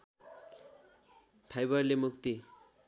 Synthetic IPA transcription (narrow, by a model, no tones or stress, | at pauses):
pʰajbʌrlemukt̪i